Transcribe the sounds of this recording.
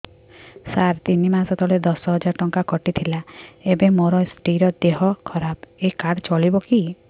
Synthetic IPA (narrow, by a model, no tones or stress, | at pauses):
saɾt̪inimasɔt̪ʰɔɭed̪ɔsɔɦɔd͡ʒaɾɔʈɔŋkakɔʈit̪ʰilaebemoɾɔesʈiɾɔd̪eɦɔkʰɔɾabekaɽt͡ʃɔɭibɔki